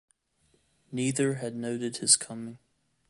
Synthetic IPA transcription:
niðə˞ɨdⁿnoʊɾɨd̚ɨz̥kʰʌmɪ̃ŋ

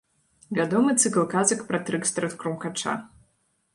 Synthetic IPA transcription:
vʲad̪ɔmɨt̪sɨklˠkazɐkpɾɐt̪ɾɨkst̪ɾɛt̪kɾumkat͡ʂa̰

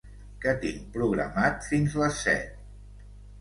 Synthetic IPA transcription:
kət̪iŋpɾuɣɾə̰mat̪finzləsːɛ̰t̪̚

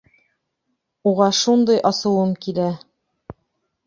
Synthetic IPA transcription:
uʁɑʃund̪ɤjʔɑsɤ̆w̪ˠɤmkilæ

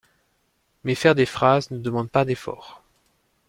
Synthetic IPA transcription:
mɛfɛʁd̪efχaznəd̪əmɑ̃d̪̚pad̪efɔ̰ːʁ

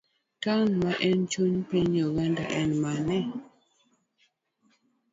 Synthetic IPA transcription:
tanmaʔɛnt͡ʃuɲpiɲɔɣɛndaʔɛnmanɛ

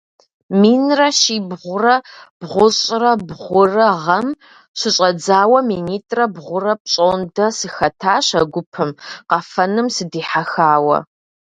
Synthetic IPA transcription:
miːnrɐʃiːbʁʷʊrɐb̥ʁʷʊɕʼrɐbʁʷʊrɐʁɐm | ɕʷɨɕʼɐd͡zaːwɐmiːniːtʼrɐbʁʷʊrɐp̚ɕʼoːndɐsɨxɐtʰaːɕɐɡʷʊpʰɨmqɐfɐnɨmsɨdiːħaxaːwɐ̰

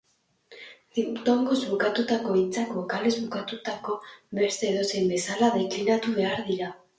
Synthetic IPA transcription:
d̪it̪o̞ŋɡo̞zβukat̪ut̪ako̞it͡sakokale̞zbukat̪ut̪ako̞βe̞ɾseðo̞sembe̞salaðe̞klinat̪uβe̞aɾðiɾa

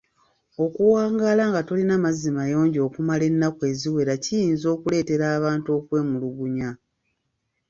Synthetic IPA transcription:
o̞kuwaːŋɡalaŋɡatolinamazimajo̞ːɲɟo̞ːkumale̞nːakwe̞ːziwe̞ɾacijiːnzo̞ːkule̞ːte̞ɾaːβaːnto̞ːkwe̞ːmuluɡuɲa

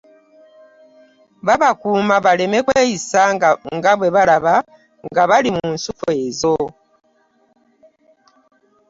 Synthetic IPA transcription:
βaβakuːmaβale̞me̞kweːjisaŋɡaβwe̞βaɾaβa | ŋɡaβalimunsufue̞zo

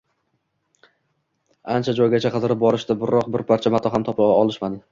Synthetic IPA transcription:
ant͡ʃʰad͡ʒɒjɡʲat͡ʃʰaqʰɨzɾɪp̚bɒɾɪʃd̪abɪɾɒq̚bɪɾpʰaɾt͡ʃʰamat̪ʰɒɦamt̪ʰɒpʰɪɒlˠɪʃmad̪ɪ

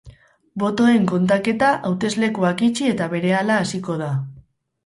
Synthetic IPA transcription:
bo̞t̪o̞e̞ŋko̞nt̪ake̞t̪aʔawt̪e̞zle̞kuakit͡ʃie̞t̪aβe̞ɾe̞alaːsiko̞ð̞a

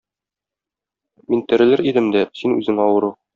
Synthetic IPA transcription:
mint̪ɘ̆ɾɘ̆lɘɾid̪ɘmd̪æsinʉ̰zɘŋɒwɤ̆ɾu

